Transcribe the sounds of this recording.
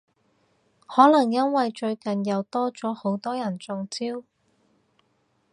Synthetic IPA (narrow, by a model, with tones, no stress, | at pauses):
hɔː˨˥lɐ˨˩ŋjɐ˥nwɐ˨jt͡ʃɵ˧ɥkɐ˨njɐ˨˧wt̪ɔː˥t͡sɔː˨˥ho˨˥wt̪ɔː˥jɐ˨˩nt͡sʊ˧ŋt͡siː˥w